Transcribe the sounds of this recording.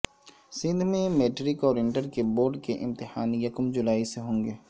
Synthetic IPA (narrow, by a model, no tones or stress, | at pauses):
sɪ̃nd̪ʱmẽmeːʈɾɪkɔːɾɪ̃ɳʈəɾkeboːɾɖkeʔɪ̰̃mt̪ɪhaːnjɐkʊmd͡ʒʊlaːiseɦõːŋɡeː